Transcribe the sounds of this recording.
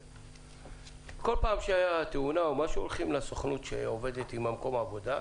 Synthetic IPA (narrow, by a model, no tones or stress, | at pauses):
ko̞lpaːmʃeajat̪eunaomaʃuolχimlasoχnut̪ʃḛove̞d̪et̪imamko̞maːvo̞d̪a